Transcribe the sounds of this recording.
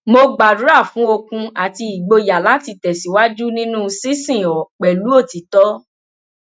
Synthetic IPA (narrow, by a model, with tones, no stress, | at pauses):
mo˧ɡ͡ba˨du˨˦ɾa˦˨fũ˨˦o˧kũ˧a˨ti˧i˨ɡ͡bo˧ja˨la˦ti˧˨tɛ˨si˨˦wa˦d͡ʒu˦nĩ˦nũ˦˧si˦sĩ˦˨ɔ˨k͡pɛ˨lu˨˦o˦˨ti˨˦tɔ˦